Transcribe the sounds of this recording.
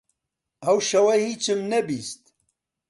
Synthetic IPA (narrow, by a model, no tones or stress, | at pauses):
ɐwʃɐwɐhit͡ʃɨmnɐbist̪